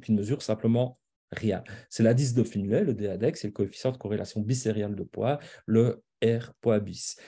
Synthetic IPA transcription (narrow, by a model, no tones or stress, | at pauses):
k̪ynməzyːʁsɛ̃pləmɑ̃ | ʁejã̰sɛlad̪is̬d̪əfinlɛləd̪ead̪ɛksɛləkɔefi̥sɑ̃d̪əkɔʁelʔa̰sjɔ̃biseʁjald̪əpwalə | ɛʁpwabis